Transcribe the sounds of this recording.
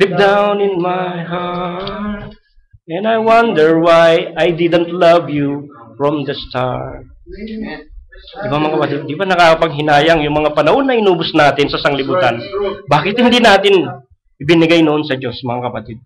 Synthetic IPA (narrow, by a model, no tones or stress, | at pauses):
lɪp̚d̪awnɪnmajɦa | t̪ | ʔɛ̃najwɐnd̪ɛɹwajʔajd̪ɪd̪ɛ̃nt̪lɐvjufɹɔmd̪ɐst̪a̰ɹ | ɪbamɐŋakɐpɐt̪ɪd̪̚d̪ibanɐkaːkɐpɐŋɦɪnaːjɐŋjʊŋmɐŋapɐnɐho̞nːɐʔɪnuːbosnaːt̪ɪnsɐsɐŋlɪbuːt̪ɐnbaːkɪt̪̚hɪnd̪inaːt̪ɪn | ʔɪbɪnɪɡajnʊʔonsɐd͡ʒo̞sɐmɐŋakɐpɐt̪ɪd̪̚